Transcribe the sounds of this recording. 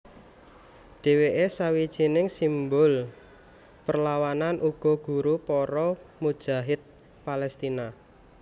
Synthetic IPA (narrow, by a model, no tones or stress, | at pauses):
ɖ̥e̤weʔesawid̥ʒ̥inɪŋsimbʊl | pərlawananʔuɡ̥ɔ̤ɡ̥ṳɾupɔɾɔmud̥ʒ̥a̤ɦɪt̪̚ | palɛst̪ina